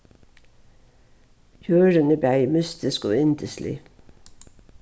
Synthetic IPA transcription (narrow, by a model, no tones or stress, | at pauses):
jøːɾənəbæmʏst̪ɪsko̰ːɪnd̪əslḭ